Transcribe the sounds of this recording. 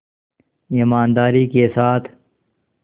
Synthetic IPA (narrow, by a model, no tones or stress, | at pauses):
ɪmaːnd̪aːɾiːkesaːt̪ʰ